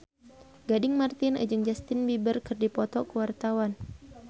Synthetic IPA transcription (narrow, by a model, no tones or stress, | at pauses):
ɡadɪŋmart̪ɪnə̰d͡ʒuŋd͡ʒast̪ɪnbibərkɨrdipɔt̪ɔkəwart̪awan